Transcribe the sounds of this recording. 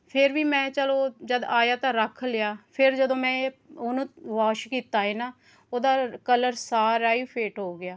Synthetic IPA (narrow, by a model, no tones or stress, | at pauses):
pʰɪɾʋiːmɛ̃ːt͡ʃəloːd͡ʒəd̪aːjaːt̪ãːɾəkʰlɪjaːpʰɪɾd͡ʒəd̪õːmɛ̃ːʊnũːʋaːʃkiːt̪aːɦiːnaː | oːd̪aːkələɾsaːɾaːiːpʰeːʈɦoːɡɪjaː